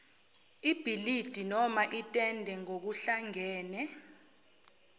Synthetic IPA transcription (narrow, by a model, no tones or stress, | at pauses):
ib̥ʱilid̥ʱinɔmaʔitʼɛndʱɛŋok̬uɬaŋɛːnɛ